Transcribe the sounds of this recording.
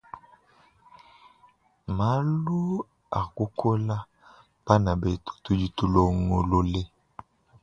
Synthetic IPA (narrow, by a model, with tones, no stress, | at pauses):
ma˨˦lu˦ | a˨ku˦kʰo˦la˦ | b̥a˦na˨be˨to̥˨tu˦d͡ʒi˦tu˦lo˦ŋo˨lo˦le˦